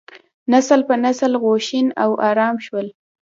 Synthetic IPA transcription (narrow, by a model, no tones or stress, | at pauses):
naslpənasəlɣoʃinawʔɑɾɑmʃwəl